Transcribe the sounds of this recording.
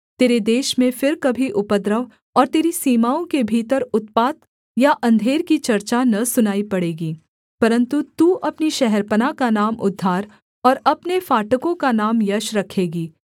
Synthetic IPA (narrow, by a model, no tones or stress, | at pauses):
t̪eːɾed̪eːʃmẽfɪɾkɐbʱiʔʊpəd̪ɾəʋ | ɔːɾt̪eːɾisiːmaːõkebʱiːt̪əɾʊt̪̚paːt̪ | jaʔɐ̃nd̪ʱeːɾkit͡ʃɐɾt͡ʃanɐsʊnaːipɐɽeːɡiː | pɐɾə̃nt̪ut̪uːʔɐpniʃɛɦɛɾpənakanaːmʔʊd̪ʱːaːɾ | ɔːɾɐpnefaːʈəkõkanaːmjɐʃɾɐkʰeːɡiː